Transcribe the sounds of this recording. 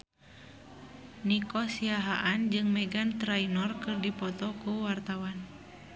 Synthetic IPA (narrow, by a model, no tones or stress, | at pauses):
nikɔsiaɦaʔand͡ʒɨŋmɛɡant̪ɾainɔrkɨrdipɔt̪ɔkuwart̪awan